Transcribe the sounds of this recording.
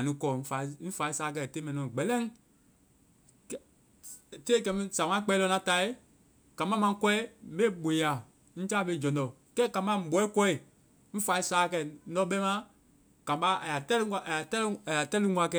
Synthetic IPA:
a˨nĩ˦kɔː˨n̩˦fa˨i˦ñ̩˦fa˨i˦saː˨˦k̬ɛ˧˨te˦mɛ̃˨ĩ˨ɔ̃˨ɡ͡bɛ˨lɛ̃˦ | te˦kɛ˧mĩ˦sã˨ŋã˦k͡pɛ˧˦lɔ˧nã˨˦ta˧˨i˦ | kã˨mã˦mã˧˦kɔ˦ɛ˦ɓe˦ɓõ˨ja˨ | ñ̩˦t͡ʃa˦˨ɓe˦˨d͡ʒɔ̃˨ndɔ˨ | kɛ˦kã˨mbã˦ɓɔ˨˦i˦kɔ˦i˨ | m̩˦fa˨i˦saː˨˦˨kɛ˧˨˦dɔ˧˦ɓɛ˦mã˦ | kã˨ba˦a˨ja˨tɛ˦li˦ŋa˨ʔa˨a˨tɛ˦la˨ja˨tɛ˦lɨ˦ŋwã˨˦kɛ˧˨

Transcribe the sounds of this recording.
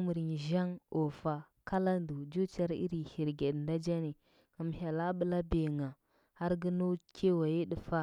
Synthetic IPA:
mu˨ɾi˨ŋ˨ʒa˦ŋo˨fa˨ | ka˦la˦ndu˨d͡ʒu˦t͡ʃa˦ɾḭ˦ɾi˨hi˨ɾɡe˨dnda˦d͡ʒa˦ni˨ | ka˨m˨ha˨la˦bə˨la˦be˨ŋa˨ | ha˦ɾɡə˦nu˦kʰe˦wa˨ji˦ɗə˨fa˦

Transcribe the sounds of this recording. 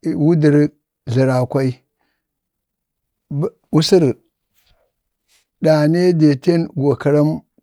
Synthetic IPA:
wu˦di˨ɾ | ɮi˨ɾa˨kʷa˦i˦ | u˦si˦ɾ | da˨ne˦de˨te˦nɡo˨kə˨ɾa˦m

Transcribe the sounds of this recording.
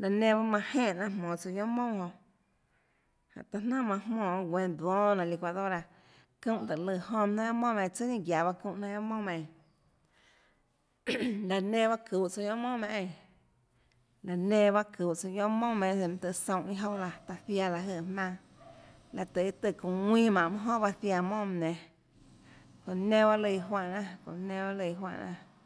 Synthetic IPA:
la˨nẽ˧βa˦mã˧hẽː˦˨nã˧˨mɔ̃ː˨t͡so˧jõ˦mõ˦˨hõ˧ʔ | hã̰˨ʔt̪a˧nã˦˨mã˧hmɔ̃ː˧˨˧ɡʷẽ˧d̪wɔ̃ː˦nã˧˨li˧kʷa˧ðo˦ɾa˧ | kũ˦˨ʔt̪ə˨lɨ˧˨hõ˧nã˦ja˦mõ˦˨m̃˧˨˧t͡sɨ˦ɲĩ˧˨ɡja˨βa˦kũ˧˨ʔnã˧ja˦mõ˦m˧ẽ˧˨ | la˨nẽ˦βa˦ku˨ʔt͡so˧jõ˦mõ˦mẽ˧ʔẽ˧ | la˨nẽ˧˨βa˦ku˨ʔt͡so˧jõ˦mõ˦˨mẽ˧˨e˧˨m̃˧t̪ɨ˧˨sõ˧˨ʔĩ˧˦ɦo˦la˧t̪a˧θja˧la˧˨ɦə˧˨hmã˧ | la˧t̪ə˨i˦t̪ɨ˧˨kũ˨wĩː˦mã˨ʔmɨ̃˧ɦõ˦˨ba˧θja˧mõ˦˨m˧˨nẽ˧ | ko˨nẽ˦βa˦lɨ˧˨ɦwa˧ʔnã˦˧kõ̰˨nẽ˧ba˦lɨ˧˨˧ɦwa̰˧˨ʔnã̰˧

